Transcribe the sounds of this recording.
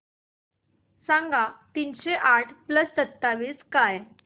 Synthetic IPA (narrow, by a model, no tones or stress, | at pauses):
sãŋɡʱat̪iːnɕeʔaʈʰpləsːət̪ːaʋiːskaj